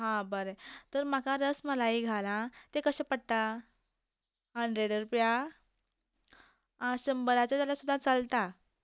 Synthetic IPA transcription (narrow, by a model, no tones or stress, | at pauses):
ɦãbəɾət̪əɾm̤akaɾəsməlaiɡʱalãt̪ekəɕẽpəɽ̚t̪a | ɦəɳɖɾeɽəɾupja | ãɕəmbəɾat͡ɕat̪jalasud̪ʱːãt͡salt̪a